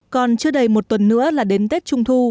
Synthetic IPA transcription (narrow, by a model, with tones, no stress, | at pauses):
kɔ˨˩nt͡ɕɨ˧əɗə˨˧˩jmo˨˩t̚t̪wə˨˩nːɨ̰˧˥əlaː˨˩ɗe˨˦nt̪e˦˥t̚t͡ɕʊ˧ŋ͡mt̪ʰu˧